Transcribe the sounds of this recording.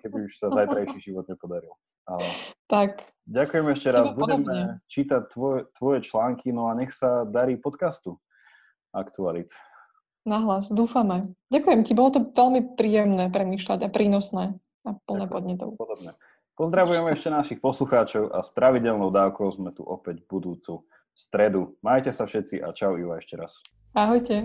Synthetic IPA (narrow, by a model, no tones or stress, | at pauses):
kɛbiuʃsazajt̪ɾajʃiʒiʋɔd̪̚ɲɛpɔd̪aɾil | aɛt̪ak | ɟakujɛmɛʃcɛɾazbudɛmɛɛt͡ʃiːt̪ac̚t̪ʋɔt̪ːʋɔjɛt͡ʃlaːŋkʰinɔaɲɛxsad̪aɾiːpɔt̪kast̪u | akt̪ualit̪ | naɦlasd̪uːfamɛɟakujɛmcibɔlɔt̪ɔʋɛlmipɾiːjɛmnɛːpɾɛmiːʃlaɟapɾiːnɔsnɛː | apl̩ˠnɛːpɔd̪ɲɛt̪ɔ̰ʊpɔd̪ɔbnɛ | pɔzd̪ɾaʋujɛmɛʃcɛnaʃixpɔsluxaːt͡ʃɔʊʔa̰spɾaʋiɟɛlnɔʊd̪aːʊkɔʊzmɛt̪ṵʔɔpɛɟbud̪uːt͡su | st̪ɾɛd̪umajcɛsafʃɛt̪t͡siʔa̰t͡ʃaʊiʋaɛʃcɛɾa̰s | aɦɔjcɛ